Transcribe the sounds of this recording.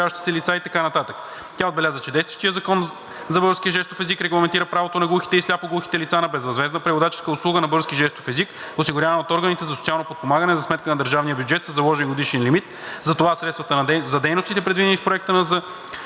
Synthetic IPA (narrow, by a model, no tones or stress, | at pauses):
avəʃt̪i̥sɛlit̪sait̪ɐkanɐt̪at̪ək | t̪ʲaod̪bɛlʲazət͡ʃɛd̪ɛjst̪və̥ʃt̪ijəzɐkɔn | zɐbɤɾskʲiəʒɛst̪ofɛzikɾɛɡlˠɐmɛnt̪iɾəpɾavot̪onɐɡlˠuxi̥t̪ɛislʲapoɡlˠuxi̥t̪ɛlit̪sanɐbɛzvɐzvɛznəpɾivod̪at͡ʃɛ̥skəʊslˠuɡənɐbɤɾskʲiʒɛst̪ofɛzik | ʊsiɡʊɾʲjanɐot̪ɔɾɡənit̪ɛzɐsot̪sʲialˠnopot̪̚pomaɡənɛzɐsmɛt̪̚kənɐd̪əɾʒavnijəbʲjuʊd͡ʒɛt̪səzɐlˠɔʒɛnɡod̪iʃɛnlimit̪ | zɐt̪ovasɾɛt̪t̪vɐt̪əɐzɐd̪ɛjnost̪it̪ɛpɾɛd̪vid̪ɛnifpɾoɛk̚t̪ənɐzɐ